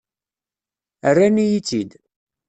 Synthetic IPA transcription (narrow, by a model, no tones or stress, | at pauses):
ərːænijit͡sːid̪